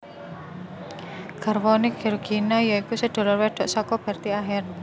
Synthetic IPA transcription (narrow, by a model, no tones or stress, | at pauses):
ɡ̥a̤rwɔnɪkɡeɾoɡ̥inajɔikusəɖ̥ɔ̤lɔrwɛɖ̥ɔ̤ʔsɔkɔb̥a̤rt̪iaɦɪr